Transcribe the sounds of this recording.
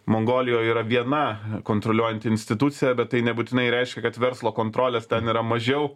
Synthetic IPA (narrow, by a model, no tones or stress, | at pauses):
moːŋɡoːlʲɪjoːjiːɾɐʋʲiɛnɐkoːnt̪ɾolʲuɔjɛnt̪ʲɪɪnʲsʲt̪ʲɪt̪ut̪sʲɪjɛbʲɛt̪t̪ːɐɪnʲɛbuːt̪ʲɪnɐɪɾʲɛɪʃʲkʲɛkɐt̪ʋʲɛɾslˠoːkoːnt̪ɾoːlʲeːst̪ʲɛniːɾɐmɐʒʲɛʊ